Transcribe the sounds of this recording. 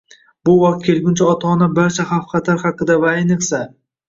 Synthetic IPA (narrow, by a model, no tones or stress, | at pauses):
bʊwɑq̚t̪̚kʲʰe̞lɡʲʊnt͡ʃʰaɒt̪ʰɒːnabaɾt͡ʃʰaχɑfqʰɑt̪ʰaɾχɑqɨd̪avaːjnɨqsa